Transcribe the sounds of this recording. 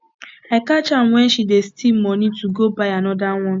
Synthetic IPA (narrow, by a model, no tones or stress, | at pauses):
ekat͡ʃam̩wɛn̩ʃidestim̩mɔnituɡobaɪanɔdaŋʷɔn